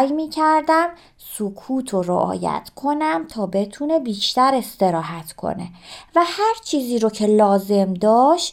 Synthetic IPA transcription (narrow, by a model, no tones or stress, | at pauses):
jmiːcʰæɾd̪æm | sokʰuːt̪ʰoɾo̰ʔɒ̰ːjæ̰t̪ʰkʰo̞næmt̪ʰɒːbe̞t̪ʰune̞biːʃt̪æɾe̞st̪e̞ɾɒːɦæt̪ʰkʰo̰ne̞̰væhæɾt͡ʃʰiːziːɾocʰe̞lɒːze̞md̪ɒːʃ